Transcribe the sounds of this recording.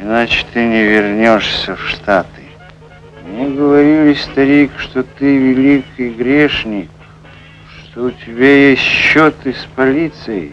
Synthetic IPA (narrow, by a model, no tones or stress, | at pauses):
ɪnat͡ɕɪ̥t̪ɨnʲɪvʲɪrnʲoʂsʲəfʂt̪at̪ɨ | mnʲeɡəvɐɾʲilʲɪsʲst̪ɐɾʲijkʂt̪ot̪ɨvʲɪlʲikɨjɡɾʲeʂnʲɪ | ʂt̪oʊtʲɪbʲajesʲtʲɕot̪ɨspɐlʲit̪sɨjɪ̰